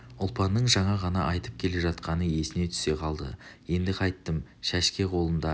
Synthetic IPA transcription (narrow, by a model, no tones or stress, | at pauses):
ʊlˠpɑnːəɴʒɑɴɑʁɑnɑʔɑjt̪əp̚kʲʰe̞le̞ʒɑt̪qɑnəje̞sɪne̞t̪ʰʏ̥se̞qʰɑlˠd̪ə̰je̞nd̪ɪqʰɑjt̪ːəmʃæʃkʲe̞qʰo̞lˠənd̪ɑ